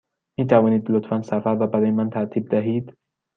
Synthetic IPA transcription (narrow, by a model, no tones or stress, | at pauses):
miːt̪ʰævɒːniːd̪lot̪fænsæfæɾvæbæɾɒːjemænt̪ʰæɾt̪ʰiːb̚d̪æɦiːd̪̥